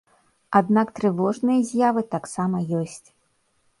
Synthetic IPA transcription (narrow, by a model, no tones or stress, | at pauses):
ad̪nakt̪ɾɨvɔʐnɨjɐzʲjavɨt̪aksamɐjɔsʲt͡sʲ